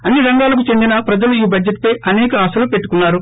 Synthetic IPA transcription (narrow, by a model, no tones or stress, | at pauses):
ɐnːiɾɐŋɡaːlɐk̬ut͡ʃe̞nd̪inɐpɾɐd͡ʒɐluiːbɐd͡ʒeʈ̚ːpɐjʔɐnɛːkɐɐsɐlupe̞ʈːukunːaːɾu